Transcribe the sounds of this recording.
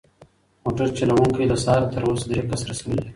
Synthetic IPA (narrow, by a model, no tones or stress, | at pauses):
moʈəɾt͡ʃalawuŋkijd̪əsɑːɾt̪əɾosd̪ɾekasɾasawəli